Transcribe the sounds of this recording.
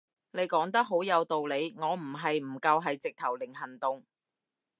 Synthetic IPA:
ne˨˧jkɔː˨˥ŋt̪ɐ˥k̚ɦo˨˥wjɐ˨˧wt̪o˨wle˨˧jŋɔː˨˧m̩˨˩ɦɐ˨jm̩˨˩kɐ˧wɦɐ˨jt͡sɪ˨k̚t̪ʰɐ˨˩wlɪ˨˩ŋɦɐ˨˩nt̪ʊ˨ŋ

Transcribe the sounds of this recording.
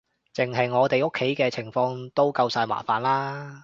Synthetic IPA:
t͡sɪ˨ŋɦɐ˨jŋɔː˨˧t̪e˨jo˥kʰːe˨˥jkɛː˧t͡sʰɪ˨˩ŋfɔː˧ŋt̪o˥wkɐ˧wsaː˧jma̰ː˨˩faː˨˩nlaː˥

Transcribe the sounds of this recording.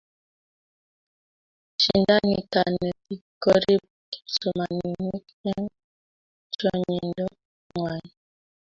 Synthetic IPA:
t͡ʃi˨nda˦ŋi˨ka˨nɛ˨pi˨kɔ˦ɾi˦p̚ | sɔ˨ma˨ni˨mi˦k | ɛ˦n | t͡ʃɔ˦ɲi˨ndɔ˦ | ŋwa˨ɲ˨

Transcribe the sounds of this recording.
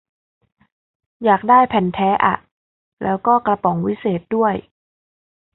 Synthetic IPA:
jaː˨˩k̚daː˥˩jpʰɛ˨˩nt̪ʰɛː˦˥ʔa̰˨˩ʔ | lɛː˦˥wkɔː˥˩kla˧pɔ˩˦ŋwi˦˥seː˨˩t̪̚du˥˩əj

